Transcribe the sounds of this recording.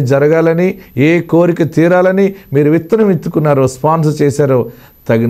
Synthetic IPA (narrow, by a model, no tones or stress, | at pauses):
d͡ʒɐɾɐɡaːlɐnieːko̞ːɾikit̪iːɾaːlɐnimiːɾuʋit̪ːɐnɐmit̪ːukunːaːɾoːspaːns̬ɐt͡ʃeːsaːɾoː | t̪ɐɡin